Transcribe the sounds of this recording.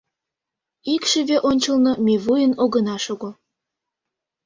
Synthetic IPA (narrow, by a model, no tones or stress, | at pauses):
ikʃəβeʔonʲt͡ɕəlnɤ̆mʲeβujənoɣə̆nɑʃoɣo